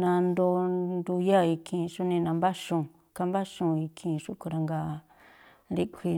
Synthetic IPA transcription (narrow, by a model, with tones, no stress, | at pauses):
nã˧nd̪o˧˦nd̪u˧ja˦i˧kʰĩ˧ʂu˦nĩ˧nã˧mba˦ʂũ˧ | ka˦mba˦ʂũ˧i˧kʰĩ˧˨˧ʂu˦ku˧ɾa˧ŋɡa˧ | ɾi˦kʷʰi˧